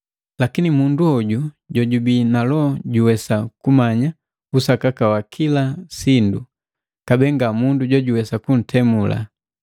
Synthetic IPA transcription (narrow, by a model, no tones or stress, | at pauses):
lakinimunduɔɟu | ɟɔɟubinalɔɟuwɛsakumaɲa | usakakawakʰilasindu | kabɛŋɡamunduɟwɔɟuwɛsakun̩tʰɛmula̰